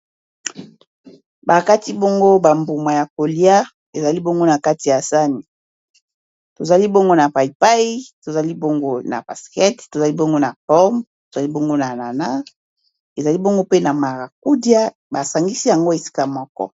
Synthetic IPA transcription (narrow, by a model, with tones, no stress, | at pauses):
ba˨ka˦ti˦bo˦ŋɡo˦ba˨mbu˨ma˨ja˨ko˨li˦a˦ | e˨za˨li˦bo˦ŋɡo˦na˨ka˦ti˨ja˨sa˦ni˨ | to˨za˨li˦bo˦ŋɡo˦na˨pa˨i˨pa˦i˦to˨za˨li˦bo˦ŋɡo˦na̰˨ba˨skɛ˦tto˨za˨li˦bo˦ŋɡo˦na˨pɔ˦mto˨za˨li˦bo˦ŋɡo˦na˨na˨na˦ | e˨za˨li˦bo˦ŋɡo˦pe˦na˨ma˨ʁa˨k̚u˦dja˦ | ba˨sa˨ŋɡi˦si˦ja˨ŋɡo˦e˨si̥˦ka˦mɔ˦kɔ̰˦